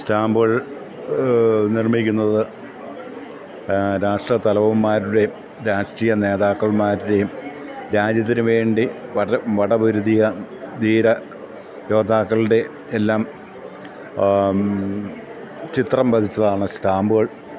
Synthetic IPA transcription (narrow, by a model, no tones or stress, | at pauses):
staːmbuɣɐɭ | nirmikʲːunːɐðɨ | ɾaːʂʈrɐt̪ɐlɐʋɐmːaːɾuɽe̞ | ɾaːʂʈrijɐne̞ːðaːkːɐɭmaːɾuɽe̞jm | ɾaːd͡ʑɐt̪̬ːinɨʋe̞ːɳɖiʋɐʋɐɽɐbuɾuðijɐd̪iːɾɐ | jo̞ːd̪aːkːɐɭɽe̞ː | lːaːm | t͡ɕit̪rɐmbɐd̪ʰʱit͡ɕːɐðaːɳɨstaːmbuɣɐɭ